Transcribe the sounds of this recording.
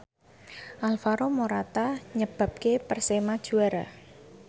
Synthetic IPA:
ʔalfaɾomoɾat̪aɲəb̥ä̤p̚kepərsemad̥ʒ̥ṳaɾa

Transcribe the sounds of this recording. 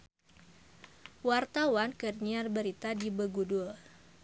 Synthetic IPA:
wart̪awankərɲiarbəɾit̪adibəɡudul

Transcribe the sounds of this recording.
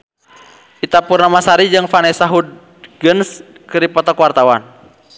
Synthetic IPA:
ʔit̪apurnamasaɾid͡ʒɨŋfanɛsaɦud̪̚ | ɡəns | kəɾipɔt̪ɔkwart̪awan

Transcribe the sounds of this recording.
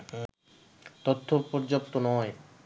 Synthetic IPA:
t̪ot̪ʰːopoɾd͡ʑop̚t̪onɔe

